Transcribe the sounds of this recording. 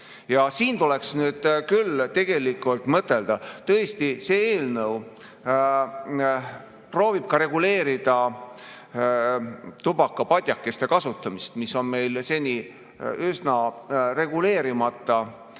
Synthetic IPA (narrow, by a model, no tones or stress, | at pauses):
jɑsiːnt̪ule̞ksnyːd̪̥kylt̪e̞ɡ̥e̞likːˑult̪ˑmɤt̪ːˑe̞ld̪̥ɑt̪ɤ̞est̪iseːeːlnɤw | pro̞ːvib̥̚kɑɾe̞ɡule̞ːɾid̪̥ɑ | t̪ubɑkːˑɑpɑd̪ʲjɑkːˑe̞st̪e̞kɑsut̪ːˑɑmist̪miso̞nme̞jlse̞nʲi | ysnɑre̞ɡule̞ːɾimɑt̪ːˑɑ